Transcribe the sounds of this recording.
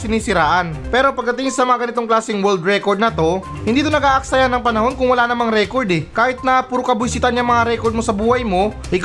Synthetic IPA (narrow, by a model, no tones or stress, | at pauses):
sɪniːsɪɾaːʔɐnpɛːɾo̞pɐɡ̚d̪ɐt̪ɪŋsɐmɐŋaɡɐnɪt̪o̞ŋklaːsɪŋwɛld̪ɾɛko̞ɹd̪nɐt̪o̞ | hɪ̃nd̪iːt̪onɐɡaːʔɐk̚sajanːɐŋpɐnɐho̞nkʊŋwɐlaːnɐmaŋɾɛko̞ɹd̪ɛkaːhɪt̪̚nɐpuːɾokɐbʊjsɪt̪anɐŋmɐŋaɾɛkoɾd̪mo̞sɐbuːhɐjmo̞ | ʔɪk